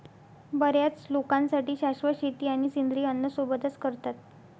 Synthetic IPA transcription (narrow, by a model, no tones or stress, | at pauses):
bəɾjat͡slokãnsaʈiːɕaʂʋəɕit̪iːaɽ̃isind̪ɾiːənːəsobəd̪ʱəskəɾt̪at̪̚